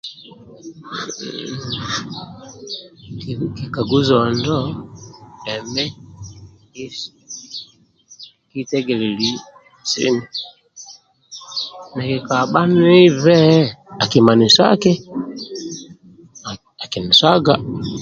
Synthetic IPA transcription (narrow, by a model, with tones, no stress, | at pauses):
ki˨ka˨ɡu˦zɔ˨ndɔ˦ | lɛ˨mɛ˦ | ki˦ | ki˦tɛ˦ɡɛ˨li˨li˨˦ | sḭ˦ni˨ | na˨ki˨ka˨ɓa˦n˦i˦vɛ˦a˨ki˨ma˨ni˨sa̰˦kɛ˦ | a˨ki˨ni˨sa˦ɡa˦